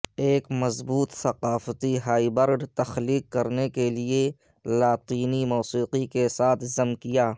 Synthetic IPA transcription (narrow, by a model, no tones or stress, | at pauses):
eːkmɐzbuːt̪sɐqaːfət̪iɦaːibəɾɖt̪ɐxliːqːɐɾnekelie | laːt̪iːnimɔːsiːqikesaːt̪ʰzɐmkijaː